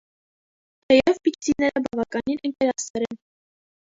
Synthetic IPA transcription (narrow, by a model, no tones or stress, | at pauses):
t̪ʰɛjɛvpit̪t̪inɛɾəbɑvɑkɑninɛŋkɛɾɑsɛɾɛn